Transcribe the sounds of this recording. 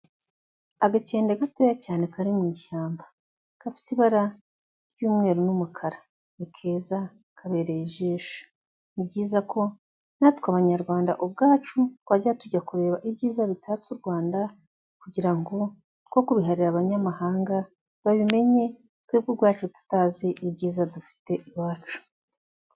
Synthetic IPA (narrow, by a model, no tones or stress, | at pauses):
aɡace̞ːndeɡatojacaːne̞kaɾimŋiːʃaːmbḁ | kafi̥tiβaɾa | ɾjuːmŋe̞ːɾonumukʰaɾa | nikʰe̞ːza | kʰaβe̞ːɾeiʒiːʃḁ | nibɟiːzakʰo̞ | natkwaβaɲaɾɡwaːnda̰ʔob̚ɡaːt͡ʃutwaɟatuɟakuɾe̞ːβaʔibɟiːzaβitʰat͡suɾɡwaːnda | kuɟiɾaŋɡo̞ | ko̞kuβiɦaɾiɾaβaɲamahaːŋɡa | βaβime̞ɲe̞ | tkweːbɡuɾɡwaːt͡ʃutu̥tazeʔibɟiːzadufi̥te̞ʔiβaːt͡ʃu̥